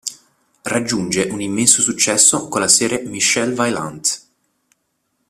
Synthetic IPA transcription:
rad͡ʒːund͡ʒeʔunimːɛnsosut͡ʃːɛsːokolːasɛːɾemiʃɛlvajla̰nd̪

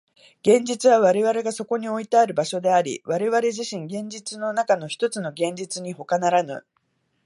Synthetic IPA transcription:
ɡ̥ẽ̞ɲ̟d͡ʑit͡sɨβaβ̞aɾe̞βaɾe̞ɡaso̞ko̞ɲ̟io̞it̪aaɾɯ̟baɕo̞d̪e̞aɾʲḭβaɾe̞βaɾe̞ʑiɕĩŋɡẽ̞ɲ̟d͡ʑit͡sɨno̞nakano̞çi̥t̪o̞t͡sɨno̞ɡẽ̞ɲd͡ʑit͡sɨɲ̟iho̞kanaɾanɯ̟̰

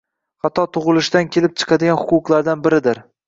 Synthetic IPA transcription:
hat̪ːɒt̪ʰʊʁɨlˠɪʃd̪ankʲʰe̞lɪp̚t͡ʃʰɨ̥qʰɑd̪ɪɡʲanhʊqʊqlˠaɾd̪anbɪɾɪd̪ɪɾ

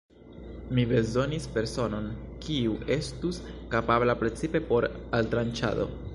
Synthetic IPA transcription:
mibe̞zo̞nispe̞ɾso̞no̞nkʰiuʔe̞stuskapablapɾe̞t͡sipe̞po̞ɾaltɾant͡ʃa̰do̞̰

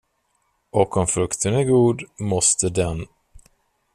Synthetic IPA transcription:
ɔkɔmfɾɵkt̪ʰənæɾɡuːd̪mɔst̪əd̪ɛn

